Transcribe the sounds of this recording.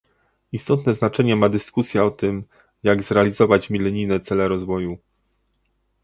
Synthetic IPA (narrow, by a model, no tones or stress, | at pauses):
ist̪ɔt̪nɛznat͡ʂɛɲɛmad̪ɘskusʲjaɔt̪ɘm | jaɡzɾɛalʲizɔvat͡ɕmʲilɛɲinɛt̪sɛlɛɾɔzvɔju